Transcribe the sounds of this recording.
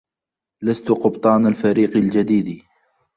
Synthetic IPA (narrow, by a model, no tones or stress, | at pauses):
last̪ʊqʊbt̪ˤɑːnalfaɾiːqɪld͡ʒad̪iːd̪i